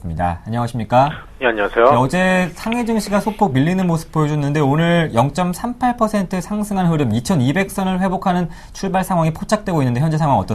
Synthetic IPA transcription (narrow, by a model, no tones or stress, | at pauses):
ɯmɲida̰ːɲʌwaɕʰimɲik͈a | jeaɲiwasʰejoʌd͡ʑe̞sʰaŋed͡ʑɯŋɕʰiɡasʰopʰomiʎːinɯnmosʰɯ̥p̚p͈ojʌd͡ʑunːɯnde̞onɯɭjʌŋt͡ɕ͈ʌmsʰampʰaɭpʰʌsʰe̞ntʰɯsʰaŋsʰɯŋanɦɯɾɯmit͡ɕʰʌnibe̞k̚s͈ʌnɯɭɸwe̞bokʰanɯn | t͡ɕʰuɭbaɭsʰaŋɦwaŋipʰot͡ɕʰak̚t͈we̞ɡoinːɯndejʌnd͡ʑeaŋwaŋʌ̰t͈ʌ